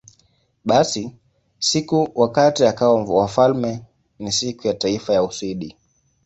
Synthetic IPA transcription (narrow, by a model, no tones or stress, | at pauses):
ɓasi | sikuwakatiakaɔmvwafalmɛ | nisikujataifajausiɗi